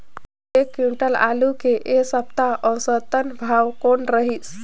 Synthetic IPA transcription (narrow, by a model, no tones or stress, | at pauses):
ekuʈəla̰lukeʔesəp̚t̪aɔwsət̪ənbʱawkonɾəɦis